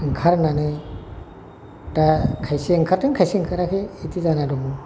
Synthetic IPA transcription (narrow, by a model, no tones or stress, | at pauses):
ŋkʰaɾnanɯ | takʰajseŋkʰaɾtɯŋkʰajseŋkʰaɾakʰeitizanadɔmu